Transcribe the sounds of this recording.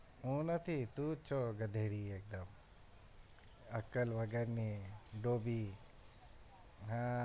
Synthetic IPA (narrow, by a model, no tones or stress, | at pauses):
ũːnɐt̪ʰit̪ut͡ʃʰoɡɐd̪ʱeːɽiːeːk̚d̪ɐm | ɐkəlʋɐɡəɾniɖoːbi | ɦã